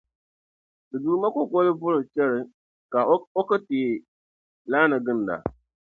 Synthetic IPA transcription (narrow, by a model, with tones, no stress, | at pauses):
dɨ˨du˨ɾma˦kʊ˦kɔ˦lɪ˦vʊ˦lɨ˨t͡ʃɛ˦ɾɪ˨ | ka˨o˦kɨ˦tiː˨ | laː˦nɨ˨ɡɨ˦n˨da̰˨